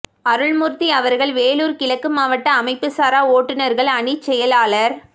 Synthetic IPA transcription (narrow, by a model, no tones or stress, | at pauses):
ɐɾɯɭmʊɾt̪iɐʋɐɾɣɐɭʋeːluːɾkɪlɐkːɯmaːʋɐʈːɐːmɐɪpːɯsaːɾaːoːʈːɯnɐɾɣɐɭɐɳit͡ʃːɛjɐlaːɭɐɾ